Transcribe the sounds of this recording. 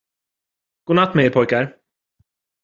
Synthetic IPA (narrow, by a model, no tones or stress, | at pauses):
ɡ̥uːnat̪ːmeːɾpʰɔjkaɾ